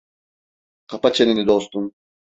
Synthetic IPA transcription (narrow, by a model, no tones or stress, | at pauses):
qʰapat͡ʃʰeninid̪ost̪um